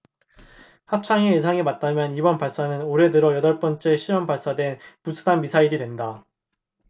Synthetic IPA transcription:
hap̚t͡ɕʰaŋejesʰaŋimat̚t͈amjʌnibʌnpaɭs͈anɯnoɾe̞dɯɾʌjʌdʌɭp͈ʌnt͡ɕ͈e̞ɕʰiɾjʌmpaɭs͈adwe̞npusʰudanmisʰaiɾidwe̞nda

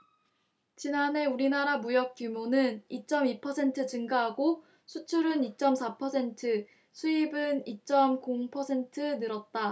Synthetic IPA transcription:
t͡ɕinanɦe̞uɾinaɾamujʌk̚k͈jumonɯnit͡ɕ͈ʌmipʰʌsʰe̞ntʰɯt͡ɕɯŋɡaɦaɡo | sʰut͡ɕʰuɾɯnit͡ɕ͈ʌmsʰapʰʌsʰe̞ntʰɯ | sʰuibɯnit͡ɕ͈ʌmkoŋpʰʌsʰe̞ntʰɯnɯɾʌt̚t͈a

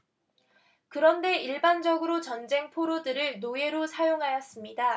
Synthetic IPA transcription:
kɯɾʌnde̞iɭband͡ʑʌɡɯɾot͡ɕʌnd͡ʑe̞ŋpʰoɾodɯɾɯɭnoe̞ɾosʰajoŋɦajʌs͈ɯmɲida

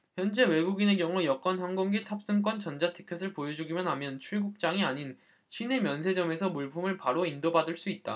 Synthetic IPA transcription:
çjʌnd͡ʑe̞we̞ɡuɡine̞k̬jʌŋujʌk͈ʌnɦanɡoŋɡitʰʌp̚s͈ɯŋk͈wʌnt͡ɕʌnd͡ʑatʰe̥kʰjʌsʰɯɭpojʌd͡ʑuɡimjʌnɦamjʌnt͡ɕʰuɭɡuk̚t͡ɕ͈aŋiaɲin | ɕʰine̞mjʌnsʰe̞d͡ʑʌme̞sʰʌmuɭpʰumɯɭpaɾoindobadɯɭs͈uit̚t͈a̰

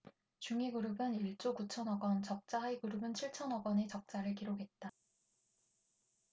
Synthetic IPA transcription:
t͡ɕuŋiɡuɾubɯniɭt͡ɕ͈okut͡ɕʰʌnʌɡʌnt͡ɕʌk̚t͡ɕ͈aɦaiɡuɾubɯnt͡ɕʰiɭt͡ɕʰʌnʌɡʌne̞t͡ɕʌk̚t͡ɕ͈aɾɯɭkiɾoɡʱe̞t̚t͈a

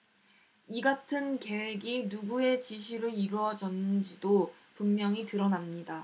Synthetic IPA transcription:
iɡatʰɯnke̞we̞ɡinuɡue̞t͡ɕiɕʰiɾɯɭiɾwʌd͡ʑʌnːɯnd͡ʑido | pummːjʌŋitɯɾʌnamɲida

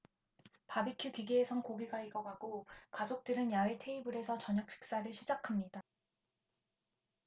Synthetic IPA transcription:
pabikʰjukiɡeːsʰʌnkoɡiɡaiɡʌɡaɡokad͡ʑok̚t͈ɯɾɯnjawe̞tʰe̞ibɯɾe̞sʰʌt͡ɕʌɲʌk̚ɕ͈ʰi̥k̚s͈aɾɯɭɕʰid͡ʑakʰamɲida

